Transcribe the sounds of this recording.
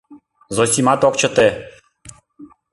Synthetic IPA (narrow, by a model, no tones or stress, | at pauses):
zosʲimɑt̪ok̚t͡ɕə̆t̪e